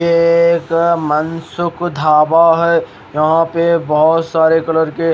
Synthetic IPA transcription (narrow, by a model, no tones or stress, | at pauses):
eːkmənsʊkd̪ʱaːbaɦɛ | jɐɦãpebɔɦɔt̪saːɾekɐləɾke